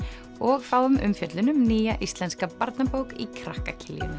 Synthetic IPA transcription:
ɔɣfaːwʏmʔʏ̰mfjœt̪lʏnʏmniːjaʔist̪lɛnskapaɾt̪napowkikʰɾahkacʰɪljʏ̰n

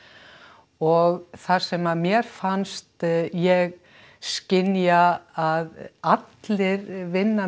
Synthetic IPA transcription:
ɔɣθaɾ̥sɛmamjɛɾ̥fanst̪jɛɣ | scɪnjaaðat̪lɪɾvɪnːa

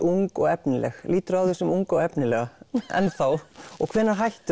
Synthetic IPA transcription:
uŋkɔɣɛpnɪlɛ̰xliːt̪ʏɾawθɛsʏmuŋkɔɣɛpnɪlɛːɣaɛ̰nθawɔɣkʰv̥ɛːnːaɦajht̪ʏ

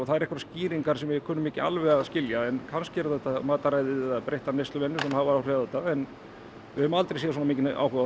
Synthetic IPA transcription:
ɔθaðɛɾɛhkvɾsciːɾiŋkaɾsɛmvɪkʰœːnːʏmɪːcɪa̰lvɛɣaðscɪljaɛnkʰanscɪɛɾθɛht̪ːamaːt̪aɾajðɪɛapɾejht̪anejst̪lʏvɛnːʏ̥sɛmhavaɾawɾɛaθɛt̪ːaɛn | vɪhʏmalt̪ɾejsɛas̬uːnamiːcɪna̰ːwkɛa

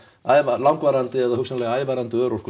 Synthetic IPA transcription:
avalawŋkvaɾant̪ɪɛðahʏksɛnalɛɣaaːjvaːɾant̪ɪœːɾɔr̥kʏ

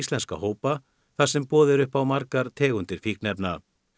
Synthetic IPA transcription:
st̪lɛnska̰hoːwpa | θasɛmpɔːðɪɾʏhpawmaɾkaɾ̥t̪ʰɛːɣʏnt̪ɪɾ̥fiːknɛpna

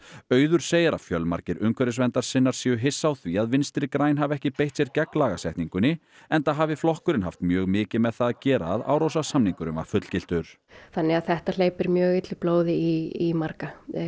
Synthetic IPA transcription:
œːɥðʏɾ̥seːjaɾa̰vfjœlma̰ɾcɪɾʔʏŋkʰvɛɾɪsvɛnt̪aɾ̥sɪnːaɾ̥siɛːjʏɦɪsːawθviaðvɪnst̪ɾɪkɾaːjnɦavɛhcɪpejht̪sjɛɾcɛklaːɣasɛjht̪niŋkʏnːɪ | ɛnt̪aɦaːvɪflɔhkʏɾɪnɦaft̪mjœːɣmɪːcɪmɛðθaðacɛːɾa̰ːða̰ːwɾowsasamniŋkʏɾʏma̰ɾ̥fʏt̪l̥cɪl̥t̪ʏɾ̥ | θanːɪaðθɛht̪al̥eːjpɛɾmjœːɣɪjt̪lɪploːwðɪiimaɾka

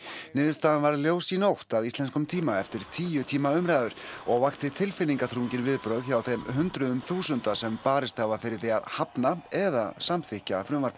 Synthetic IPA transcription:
nɪːðʏst̪aːðanvaɾljoːwsinowht̪aðist̪lɛnskʏmt̪ʰiːmaɛft̪ɪɾ̥t̪ʰiːjʏt̪ʰiːmaʏmɾajðʏɾ̥ɔɣvaxt̪ɪt̪ʰɪlfɪnːiŋkaθʰɾuːɲcɪɾvɪðpɾœːðçawθejmɦʏnt̪ɾʏðʏmθuːsʏnt̪asɛmpaːɾɪst̪havafɪɾɪɾθejaðhapnaɛðasamθɪhcafɾʏːmvaɾ

